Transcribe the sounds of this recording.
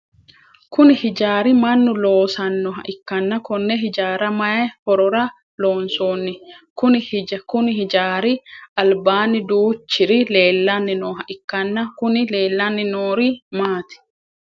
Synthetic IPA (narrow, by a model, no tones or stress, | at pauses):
kʊnɪhɪd͡ʒaːɾɪmɐnːʊloːsɐnːɔɦɐ̰ʔɪkːɐnːɐkɔnːɛɦɪd͡ʒaːɾɐmɐɛhɔɾɔɾɐ | loːnsoːnːɪkʊnɪhkʊnɪhɪd͡ʒaːɾɪʔɐlbaːnɪd̪uːt͡ʃːɪɾɪle̞ːlːɐnːɪnoːɦɐʔɪkːɐnːɐkʊnɪle̞ːlːɐnːɪnoːɾimaːt̪ɪ̥